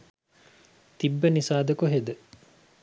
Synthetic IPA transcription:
t̪ibːənisaːd̪ɐkuɦed̪ə

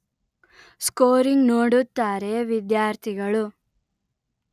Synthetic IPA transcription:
skoːɾiŋɡnoːɽut̪ːaːɾe̞ʋid̪jaːɾt̪ʰiɡɐɭu

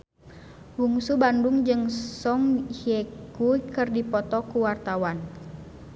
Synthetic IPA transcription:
wuŋsubanduŋd͡ʒɨŋsɔŋhjɛkukɨrdipɔt̪ɔkuwart̪awan

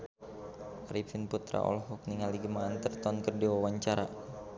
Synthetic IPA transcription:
aɾifinput̪ɾa̰ʔɔ̰lɦuk̚niŋaldiɡəmaːnt̪ərt̪ɔnkərdiwawaɲt͡ʃaɾa

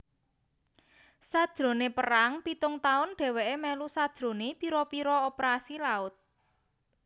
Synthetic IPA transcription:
sad̥ʒ̥ɾo̤nepəɾaŋpit̪ʊŋt̪aʊnɖ̥ɛ̤weʔemɛlusad̥ʒ̥ɾo̤nepiɾɔpiɾɔopɾasilaʊt̪̚

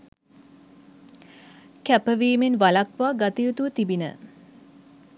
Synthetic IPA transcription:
kæpəʋiːmenʋalakʋaːɡat̪ijut̪uət̪ibinə̰

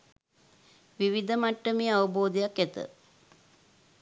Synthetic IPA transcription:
ʋiʋid̪əmaʈːəmeːaʋəboːd̪ijakːɛt̪ə̰

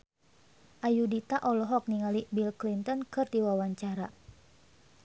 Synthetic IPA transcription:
ʔajudit̪aʔɔlɔɦɔk̚niŋalibilklint̪ɔnkɨrdiwawaɲt͡ʃaɾa

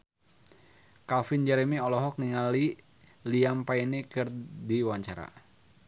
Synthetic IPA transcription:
kalfind͡ʒɛɾɛmiɔlɔɦɔk̚niŋali | liampainikɨrdiwaɲt͡ʃaɾa̰

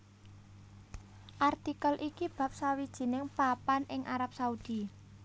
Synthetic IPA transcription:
ʔart̪ikəlʔikib̥a̤p̚sawid̥ʒ̥i̤nɪŋpapanʔɪŋʔaɾap̚saud̪̥i

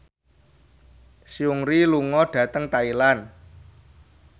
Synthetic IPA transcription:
siuŋɾiluŋɔɖ̥ä̤t̪əŋt̪ailan

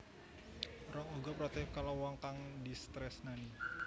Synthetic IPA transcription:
rɔŋoɡapɾat̪ɛkalawaŋkaŋdist̪ɾɛsnani

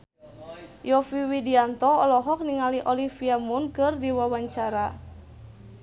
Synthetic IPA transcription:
jɔfiwidiant̪ɔɔlɔɦɔk̚niŋaliʔɔlifiamunkɨrdiwawaɲt͡ʃaɾa

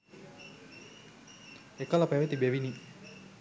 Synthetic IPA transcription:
ekələpæʋet̪ibeʋini

